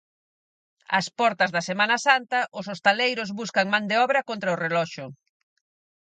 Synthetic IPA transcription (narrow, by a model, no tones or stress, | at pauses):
ɐ̰spɔɾt̪ɐzðɐsemãnɐsant̪ɐʔʊsost̪alejɾʊzβuskɐŋmãnd̪eɔβɾɐkont̪ɾɐʊrelɔʃʊ